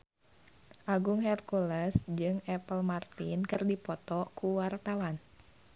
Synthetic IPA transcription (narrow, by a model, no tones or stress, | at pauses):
ʔaɡuŋhɛrkulɛsd͡ʒɨŋɛpəlmart̪inkɨrdipɔt̪ɔkuwart̪awan